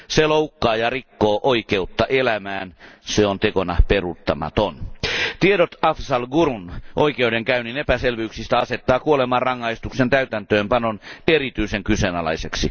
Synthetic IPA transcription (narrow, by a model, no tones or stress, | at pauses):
seloukːɑːjɑrikːoːʔoikeut̪ːɑʔelæmæːnseont̪ekonɑperut̪ːɑmɑ̰t̪ont̪iedot̪ɑfsɑlɡuɾunʔoikeudeŋkæyninepæselʋyyksist̪æɑset̪ːɑːkuolemɑrrɑŋːɑist̪uksent̪æyt̪ænt̪øːmpɑnonerit̪yiseŋkysenɑlɑ̰iseksi